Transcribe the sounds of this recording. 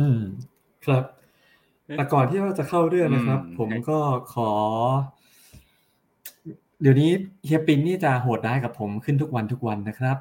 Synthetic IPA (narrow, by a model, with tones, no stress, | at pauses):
ʔɯː˧m | kʰɾa˦˥p̪̚ | ɛ˨˩kɔː˨˩nt̪ʰiː˥˩ɾaː˥˩t͡ɕa˨˩kʰa˥˩wɾɯ˥˩əna˦˥kʰɾa˦˥pʰːo˩˦mkɔː˥˩kʰɔː˩˦ | di˨˩əwniː˦˥hi˧˥pːi˧nːiː˥˩t͡ɕa˨˩ɦoː˨˩t̪̚daː˦˥jka˨˩pʰːo˩˦mkʰɯ˥˩nt̪ʰu˦˥k̚wa˧nt̪ʰu˦˥k̚wa˧nːa˦˥kʰɾa˦˥p̚